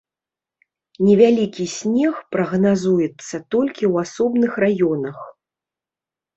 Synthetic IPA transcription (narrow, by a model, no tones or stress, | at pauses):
nʲɛvʲalʲikʲisʲnʲɛxpɾɐɣnazujɛt̪sːɐt̪ɔlʲkʲiwasɔbnɨxrajɔnɐx